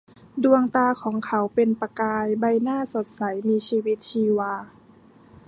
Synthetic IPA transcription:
du˧əŋt̪aː˧kʰɔː˩˦ŋkʰa˨˦wpe˧npa˧kaː˧jba˧jnaː˥˩˨so˨˦t̪̚sa˩˦jmiː˧siː˧wi˦˥t̪̚t͡ɕʰiː˧waː˧

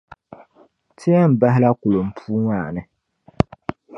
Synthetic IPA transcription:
tʰɪ˦a˦m̩˨ba˦ɦɪ˦la˦ku˨lo˨m̩˨pʰuː˦ŋʷaː˦˨nɨ˦

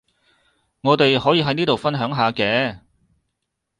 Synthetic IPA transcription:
ŋɔː˨˧t̪e˨jhɔː˨˥jiː˨˧ɦɐ˨˥jniː˥t̪o˨wfɐ˥nɦœː˨˥ŋɦaː˨˧kɛː˨˥

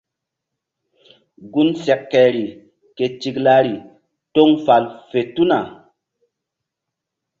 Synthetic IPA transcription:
ɡu˦nsɛ˨kːɛ˨ɾi˨ | ke˨t͡ʃi˨kla˦ɾi˨ | to˦ŋfa˨lfe˨tu˦na˨

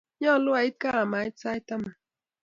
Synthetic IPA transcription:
ɲɔ˦˨lʊ˦a˨i˦t̚ka˦a˨ma˨i˦tsa˦jta˦ma˨

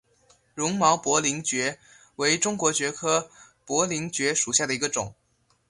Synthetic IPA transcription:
ɻʊ˧˥ŋmɑ˧˥ʊpwɔ˧˥li˧˥ŋt͡ɕɥɛ˧˥ | we˧˥ɪʈ͡ʂʊ˥ŋkwɔ˧˥t͡ɕɥɛ˧˥kʰɤ˥ | pwɔ˧˥li˧˥ŋt͡ɕɥɛ˧˥ʂu˨˩ɕja˥˩d̪ə˩i˧˥ɡə˧ʈ͡ʂʊ˨˩˦ŋ

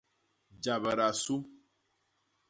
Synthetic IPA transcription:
d͡ʒa˨bə˨ɾa˨su˦

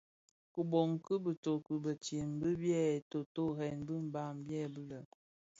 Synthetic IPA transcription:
ku˨bɔ˨ŋ˨kə˦bə˨to˨kə˨bə˨tje˨m˨bə˦bjɛ˦˨to˨to˦hɛ˨nbə˦m̩˨ba˦˨mbjɛ˦˨bə˦lə˨

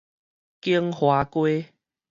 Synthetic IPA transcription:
ki˦əŋhwa˨˦kwe˦

